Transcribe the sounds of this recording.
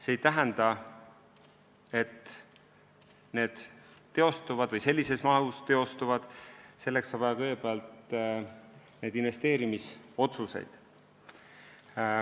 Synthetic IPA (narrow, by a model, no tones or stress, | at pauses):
se̞ːjt̪æɦɛnd̪ɑ | e̞t̪ | ne̞ːd̪̥t̪ːe̞o̞st̪uvɑd̪̥vɤjse̞lʲːise̞smɑust̪e̞o̞st̪uvɑd̪̥se̞lːe̞ksɑːbvɑjɑkɤjɡepeɑlt̪ | ne̞jd̪̥inve̞st̪e̞ːɾimiso̞t̪suse̞̰jd̪̥